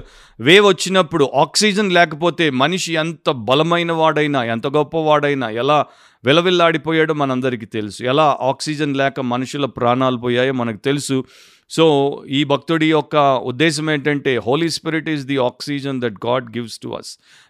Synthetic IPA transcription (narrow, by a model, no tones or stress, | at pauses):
ʋeːʋɐt͡ʃːinɐpːuɽuʔaːksiːd͡ʒɐnlɛːkɐpoːt̪e̞ːmɐniʂiɛnt̪ɐbɐlɐmɐjnɐʋaːɽɐjnaːɛnt̪ɐɡɔpːɐʋaːɽɐjnaːɛlaː | ʋɛlɐʋilːaːɽipoːjaːɽomɐnɐɐnd̪ɐɾik̬iːt̪e̞lusuɛlaːʔaːksiːd͡ʒɐnlɛːkɐmɐnuʂulɐpɾaːɳaːlɐpɔːjaːjoːmɐnɐku̥t̪elusu | so̞ːiːbʱɐk̚t̪uɽiɔkːɐṵd̪ːɛːʃ̬ɐmeːɳʈɐɳʈe̞ːɦoːlispiɾiʈizd̪iaːksiːd͡ʒɐnd̪ɛʈ̚ɡaːɖɡiʋsʈṵɐ̰s